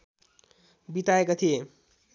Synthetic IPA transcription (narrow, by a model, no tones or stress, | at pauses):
bit̪aekot̪ʰije